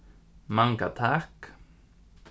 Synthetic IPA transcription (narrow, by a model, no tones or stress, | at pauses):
maŋka̰t̪ʰak